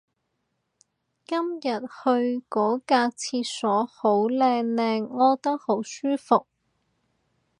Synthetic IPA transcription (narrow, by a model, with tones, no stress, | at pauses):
kɐ˥mjɐ˨t̚hɵ˧ɥkɔː˨˥kaː˧t͡sʰiː˧t̚sɔː˨˥ho˨˥wlɛː˧ŋlɛː˧ŋːɔː˨t̪ɐ˥k̚ho˨˥wsyː˥fʊ˨k̚